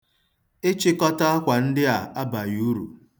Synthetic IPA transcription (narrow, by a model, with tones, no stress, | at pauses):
ɪ˦t͡ʃɪ˦kɔ˦ta˦a˦kʷa˨n̩˦dɪ˦a˨a˦ba˨ju˦ɾṵ˨